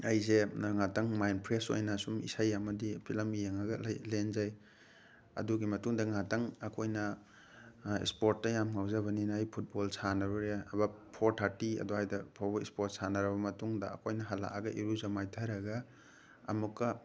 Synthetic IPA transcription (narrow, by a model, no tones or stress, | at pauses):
ɐjzeaŋatɐŋmajnpʰɾeso̰jnasumḭsajɐmɐdipʰilɐmijeŋɐɡɐlenzaj | ɐ̰duɡimɐtuŋdɐŋatɐŋɐkʰojnɐ | ḭspoɾt̚ːɐjamŋawzɐβɐninːjpʰut̚bolsanɐbɔɾeɐ̰bapʰoɾtʰatiɐ̰duhajdɐpʰabḭspoɾt̚sanɐɾɐbɐmɐtuŋdɐ̰ːkʰojnɐɦala̰ʔa̰ɡɐʔiɾuzamajtʰaɾɐɡɐ̰ː | mukːɐ